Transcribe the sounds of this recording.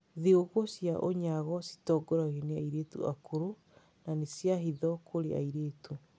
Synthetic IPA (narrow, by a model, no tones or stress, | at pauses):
ðeoɣosjaʔoɲaɣɔsi̥tɔːɡɔɾaɣeneaiɾeːtṵa̰kʰoɾo | nanesjaɦiðɔkʰoɾḛa̰iɾeːtu